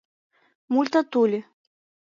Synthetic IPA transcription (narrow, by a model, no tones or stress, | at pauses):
mulʲt̪at̪ulʲi